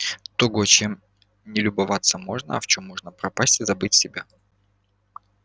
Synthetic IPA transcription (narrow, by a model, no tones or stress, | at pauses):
t̪oɡot͡ɕem | nʲɪlʲʊbɐvat̪sːəmo̞ʐnə̰ɐ̰ft͡ɕomːo̞ʐnəpɾɐpasʲtʲɪzɐbɨtʲsʲɪbʲa